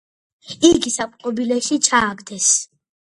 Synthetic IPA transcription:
iɡisapʼqʼɔbilɛʃit͡ʃʰaːɡd̪ɛs

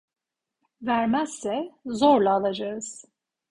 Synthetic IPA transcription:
væɾmæz̥sɛzoɾlˠaːlˠad͡ʒaɯz̥

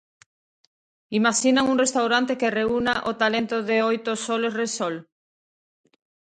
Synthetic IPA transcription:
imaʃinaŋuŋrest̪awɾant̪ekereunaʔot̪alent̪oðeojt̪osolezresol

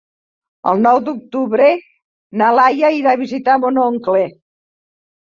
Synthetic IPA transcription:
ə̰lˠnɔwd̪uk̚t̪uβɾe | nalajaiɾaβizit̪amonoŋkle

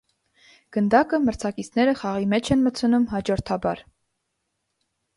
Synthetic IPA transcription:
ɡ̥ənd̪ɑkəməɾt͡sʰɑkit͡sʰnɛɾəχɑʁimɛt͡ʃʰɛnmət͡sʰənumɦɑd͡ʒɔɾt̪ʰɑbɑɾ

